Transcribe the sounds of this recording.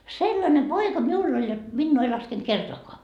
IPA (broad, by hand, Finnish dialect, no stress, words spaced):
selːɑne poikɑ miulː olʲ jot minːuː ei lɑskent kertoɑkoɑ